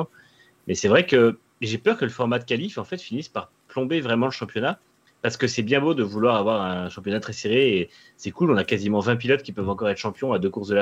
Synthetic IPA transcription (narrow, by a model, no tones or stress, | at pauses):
mʔɛsɛvʁɛkə | eʒepœʁkələfɔʁmad̪əkalifɑ̃fɛt̪finispaʁ | plɔ̃bevʁɛmɑ̃ləʃɑ̃pjɔna | paʁsə̥kəsɛbjɛ̃bod̪əvulwaʁavwaʁɛ̃ʃɑ̃pjɔnat̪χɛseʁeː | sɛkulɔ̃nakazimɑ̃vɛ̃p̬ilɔt̪kʲipœvɑ̃kɔʁɛt̪ʃɑ̃pjɔ̃ad̪økuʁsd̪əl